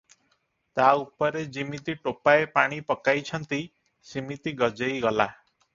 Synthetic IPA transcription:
t̪aupɔɾed͡ʒimit̪iʈopaepaɽ̃ipɔkajt͡ʃʰʌnt̪i | simit̪iɡɔd͡ʒejɡɔla

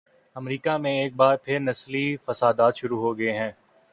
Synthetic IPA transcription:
ɐmɾiːkamẽeːk̚baːɾpʰɪɾnɐslifɐsaːd̪aːt̪ʃʊɾuɦoɡɐeɦɛ̃ː

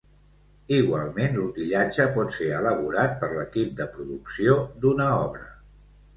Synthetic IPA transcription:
iɣwalˠmenluk̪iʎad͡ʒəpɔt̪seələβ̞uɾat̪̚pəɾləkip̚d̪əpɾuðuksiod̪unəɔβɾə

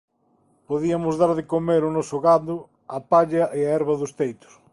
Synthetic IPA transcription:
poðiɐmʊzðaɾðɪkomeɾʊnɔsʊɣad̪ʊ | ɐpaʎɐʔeaɛɾβɐðʊst̪ejt̪ʊ̥s

